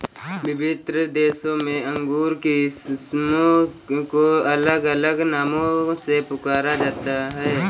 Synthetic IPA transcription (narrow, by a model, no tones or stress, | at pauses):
bɪbɪt̪ɾəd̪eːsõmẽɐ̃ŋɡuːɾkissmõ | koɐləɡələɡnaːmõsepʊkaːɾad͡ʒaːt̪aɦɛː